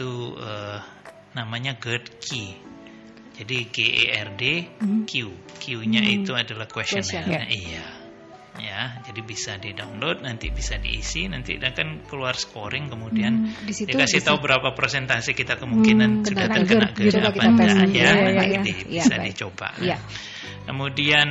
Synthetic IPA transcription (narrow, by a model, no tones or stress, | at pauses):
t̪uəː | namaɲaɡəd̪kʰi | d͡ʒadiɡeʔḛʔɛrdekiu | kiuɲait̪uadalahkwɛsɔnaija | jad͡ʒadibisadidaunlod̪̚nant̪ḭbisadḭːsinant̪ḭdakankəluarsə̥koɾɪŋkəmudiandisdakasit̪aubəɾapapɾesɛnt̪asikit̪akəmuŋkinant̪əɡaəɡəna̰ʔɡəaaaad͡ʒaad̪ibisa̰dit͡ʃoba̰ʔ | kəmudian